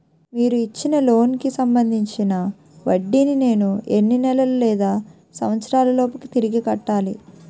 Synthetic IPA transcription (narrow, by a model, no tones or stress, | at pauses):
miːɾuit͡ʃːinɐlo̞ːnkisɐmbɐnd̪ʱiɲt͡ʃinɐ | ʋɐɖːinine̞ːnuḛnːinɛlɐlulɛːd̪aː | sɐmɐt̪sɐɾaːlɐlɔːpɐkit̪iɾiɡikɐʈːaːlḭ